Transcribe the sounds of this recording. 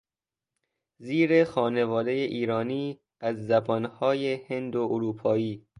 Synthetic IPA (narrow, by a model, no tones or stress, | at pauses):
ziːɾe̞xɒːne̞vɒːd̪e̞jeʔiːɾɒːniː | æzːæbɒnhɒːjehend̪oʔoɾuːpʰɒːiː